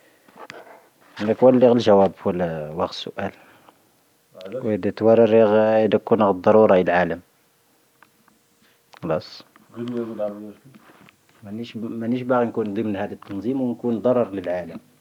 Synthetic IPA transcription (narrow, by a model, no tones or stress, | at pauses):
nækwælːiɣəlʒæwæbwəlæwɑq̪sʊ̰ʔæl | wəd̪æt̪wɑrˤɑɾiɣəd̪æk̚kunəɣd̪ˤɑɾˤuɾˤɑlʕaləm | xɑlɑsˤ | mænʃmænəʃbaɣinkund̪ˤəmnhæd̪ət̪ːɑnzˤimwnkund̪ˤɑɾˤɑɾˤləlʕaləm